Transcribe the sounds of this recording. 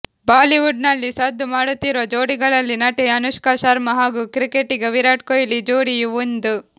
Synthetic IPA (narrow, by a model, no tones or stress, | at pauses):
baːliʋuɖnɐlːisɐd̪ːumaːɽut̪ːiɾʋod͡ʒoːɽiɡɐɭɐlːinɐʈeɐnuʃkaːʃaɾmɐɦaːɡuːkɾikeʈːiɡeʋiɾaːʈ̚kojilid͡ʒoːɽijuʋund̪u